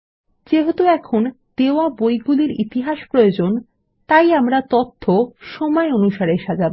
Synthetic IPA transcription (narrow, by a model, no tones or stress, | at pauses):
d͡ʑeɦot̪uɛkʰon | d̪̥eoabojɡuliɾit̪iɦaʃpɾojod͡ʑon | t̪ajamɾat̪ot̪ʰːoʃɔmɔeonuʃaɾeʃad͡ʑabe